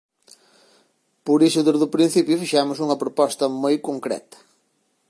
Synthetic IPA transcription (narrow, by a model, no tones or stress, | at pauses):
pʊɾisʊðezðʊpɾin̟θipjʊfiʃamʊsuŋɐpɾopɔst̪ɐmojkoŋkɾɛ̰t̪ɐ̥